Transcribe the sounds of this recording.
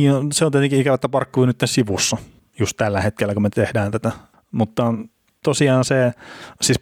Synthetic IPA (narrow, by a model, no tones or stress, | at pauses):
iːnoseõniet̪eŋkikæʋæt̪ːæpɑrkːuːnyt̪ːensiʋusːɑ | just̪t̪ælːæhet̪kelːækumet̪ehdæːnt̪æt̪æ | mut̪ːɑ | t̪osiɑːnsesiːs